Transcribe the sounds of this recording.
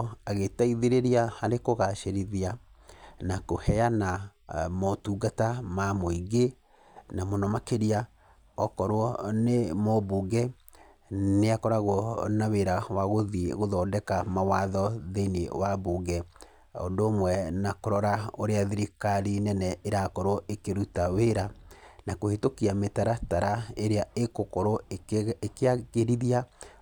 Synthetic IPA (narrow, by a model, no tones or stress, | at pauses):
aɣetaiðeɾeɾiahaɾekoɣaʃeɾiðia | nakohɛjanamɔtuːɡatamamoiɡe | namonɔmakeɾia | ɔkɔɾwɔnemɔbuɡɛ | neakɔɾaɣwɔnaweɾawaɣoðiɣoðɔːdɛkamawaðɔðenewabuɡɛ | o̰ndoːmwɛnakoɾɔɾaoɾeaðiɾikaɾinɛnɛeɾaːkɔɾwɔekeɾutaweɾanakohetokiametaɾataɾaeɾeaekokɔɾoekeaɣeɾiðia